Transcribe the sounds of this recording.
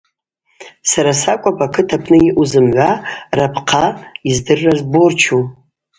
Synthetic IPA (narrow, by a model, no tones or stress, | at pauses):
saɾasakʷʼapʼakʰɨtʰapʰʼnɨiʔuzɨmʕʷarapʰqʰaizdɨrːazbort͡ʃʰu